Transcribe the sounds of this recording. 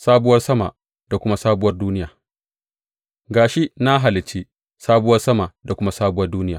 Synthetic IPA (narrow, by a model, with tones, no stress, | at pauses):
saː˦bʊ˦wɐ˦rsɐ˦ma̰˨ | d̥a˨kʷʊ˦ma˦saː˦bʊ˦wɐ˦rduː˦nɪ˦jaː˨ | ɡaː˨ʃi˦na˦ɦa˨lɪ˨t͡ʃi˦ | saː˦bʊ˦wɐ˦rsɐ˦ma˨da˨kʷʊ˦ma˦saː˦bʊ˦wɐ˦rduː˦nɪ˦jaː˨